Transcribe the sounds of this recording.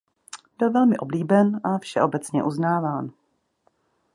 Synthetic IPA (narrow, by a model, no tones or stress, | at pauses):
b̥ɪlvɛlmɪʔo̞bliːbɛnʔafʃɛ̰ʔo̞bɛt͡sɲɛʔuznaːvaːn